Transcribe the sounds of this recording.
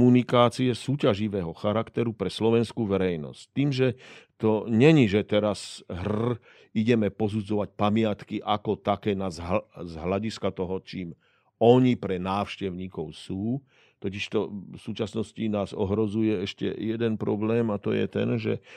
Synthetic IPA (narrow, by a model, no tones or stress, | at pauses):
munikaːt͡siɛsuːcaʒiʋɛːɦɔxaɾakt̪ɛɾupɾɛslɔʋɛnskuːʋɛɾɛjnɔ̰sc̚t̪iːmʒɛt̪ɔɲɛɲiʒɛt̪ɛɾasɦr̩ | iɟɛmɛpɔzud͡zɔʋac̚pamɪat̪kiʔakɔt̪akɛːnazzɦlaɟiskat̪ɔɦɔt͡ʃiːm | ɔɲipɾɛnaːʊʃcɛʊɲiːkɔʊsuː | t̪ɔciʃt̪ɔfsuːt͡ʃasnɔscinaːzɔ̰ɦɾɔzujɛɛʃcɛ̰jɛd̪ɛnpɾɔblɛːmat̪ɔ̰jɛ̰t̪ɛ̰nʒɛ̰